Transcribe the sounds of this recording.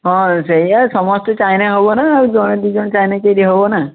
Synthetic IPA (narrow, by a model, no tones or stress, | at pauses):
ɦɔ̃seɦiasɔmɔst̪ɔt͡ʃajnaɦobɔnaːɾud͡ʒɔɽ̃ed̪id͡ʒɔɽ̃ɔt͡ʃajnat͡ʃejɾiɦobɔna